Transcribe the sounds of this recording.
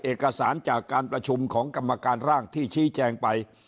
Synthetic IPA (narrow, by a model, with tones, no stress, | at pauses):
ʔeː˨˩kːa˧saː˩˦nt͡ɕaː˨˩kːaː˧npɾa˧t͡ɕʰu˧mkʰɔː˩˦ŋka˧mːa˧kaː˧nɾaː˥˩ŋt̪ʰiː˥˩t͡ɕʰiː˦˥t͡ɕɛː˧ŋpa˧j